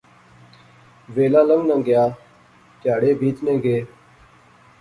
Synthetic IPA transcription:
ʋeːlãːləŋɡnə̃ŋɡjaː | t̪jaːɽeːbʱiːt̪nẽːɡeː

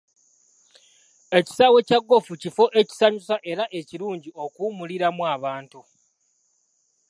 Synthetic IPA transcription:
e̞ci̥saːwe̞caɡːo̞fucifo̞ʔe̞ci̥saɲusaʔe̞ɾaʔe̞ciɾuːɲɟio̞kuːmuliɾamwaːβaːntu

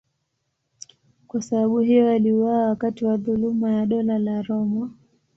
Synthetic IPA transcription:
kwasaɓaɓuhijɔaliuwaːwakatiwaðulumajaɗɔlalaɾɔma

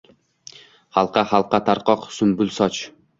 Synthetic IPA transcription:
hɑlˠqɑhɑlˠqɑt̪ʰaɾqɒqsʊmbʊlˠsɒt͡ʃ

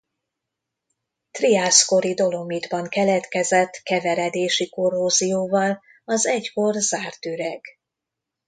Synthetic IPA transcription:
t̪riasko̞ɾid̪o̞lo̞mid̪bɒŋkɛlɛt̪kɛzɛt̪ːkɛvɛɾɛd̪eːʃiko̞rɦoːzijoːvɒl | ɒzɛcko̞rzaːrt̪yɾɛɡ

